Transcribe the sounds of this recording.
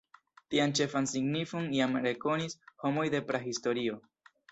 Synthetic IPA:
tiant͡ʃe̞fansiɡnifoniamɾe̞ko̞nisho̞mo̞jde̞pɾahisto̞ɾio̞

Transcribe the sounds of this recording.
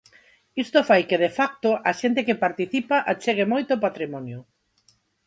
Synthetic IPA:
ist̪ofajkɪðefak̚t̪oʔɐʃent̪ɪkɪpaɾt̪iθipaʔat͡ʃeɣ̞emojt̪opat̪ɾimɔnjʊ

